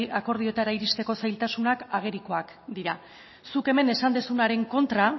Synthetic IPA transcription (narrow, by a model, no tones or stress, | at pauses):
ako̞ɾð̞io̞t̪aɾaiɾist̪e̞ko̞sajlt̪asunakaɣ̞e̞ɾiko̞ak | d̪iɾa | suke̞me̞ne̞sand̪esunaɾe̞ŋko̞nt̪ɾa